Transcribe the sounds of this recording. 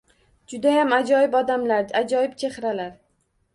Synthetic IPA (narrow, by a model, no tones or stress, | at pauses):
d͡ʒʊd̪ajamad͡ʒɒjɪbɒd̪amlaɾad͡ʒɒjɪpt͡ʃʰe̞hɾalaɾ